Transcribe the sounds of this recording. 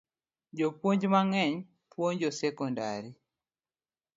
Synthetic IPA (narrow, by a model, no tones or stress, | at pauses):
d͡ʒopwoɲd͡ʒmaŋɛɲ | pwoɲd͡ʒɔsɛkɔnda̰ɾi